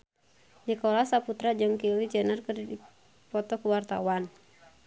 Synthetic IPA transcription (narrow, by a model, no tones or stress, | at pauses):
nikolasaput̪ɾad͡ʒɨŋkilid͡ʒənərkɨrdi | pɔt̪ɔkuwart̪a̰wan